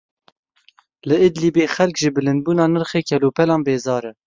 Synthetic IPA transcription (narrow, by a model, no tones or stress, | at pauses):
lɨɪd̪liːbeːxɛlkʒɪbɨlɨnd̪̚buːnɑːnɨɾχeːkʰɛloːpʰɛlɑːnbeːzɑːɾɛ